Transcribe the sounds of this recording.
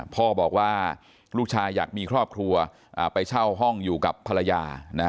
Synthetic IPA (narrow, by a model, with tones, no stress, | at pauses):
pʰɔː˥˩bɔː˨˩k̚waː˥˩ | ɾuː˥˩k̚t͡ɕʰaː˧jːa̰ː˨˩k̚miː˧kʰɾɔː˥˩p̚kʰɾu˧ɐ | ʔaː˨˩pa˧jt͡ɕʰa˥˩wɦɔ˥˩ŋjuː˨˩ka˨˩pʰːa˧ɾa˧jaː˧na˦˥